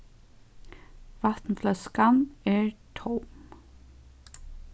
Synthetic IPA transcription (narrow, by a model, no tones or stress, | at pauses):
ʋat̪nflœskamɛɹt̪ʰɔwm